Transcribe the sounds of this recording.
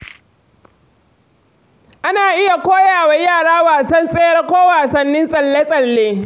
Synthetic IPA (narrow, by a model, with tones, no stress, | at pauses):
ʔa˦naː˨ʔɪ˦ja˨kʷoː˦jaː˨wa˦jaː˦˨ɽaː˦waː˨sɐ˦nsʼeː˦jɐ˦rkʷoː˦waː˨sɐ˦nːɪ˦nsʼɐ˨lːe˦sʼɐ˨lːeː˦